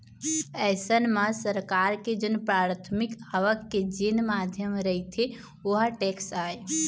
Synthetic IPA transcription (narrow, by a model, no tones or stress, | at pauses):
ɛsənməsəɾkaɾked͡ʒənpɾaːɾt̪ʰəmikaʋəkːed͡ʒenmad̪ʱjəmɾəɦit̪ʰe | oɦaʈeksaːe